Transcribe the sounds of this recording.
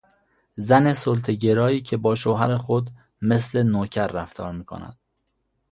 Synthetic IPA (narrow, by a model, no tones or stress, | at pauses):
zæne̞solt̪ʰeɟeɾɒːiːcʰe̞bɒːʃoɦæɾexod̪ | me̞sle̞noːcʰæɾːæft̪ʰɒːɾmiːkʰo̰næ̰d̪̥̚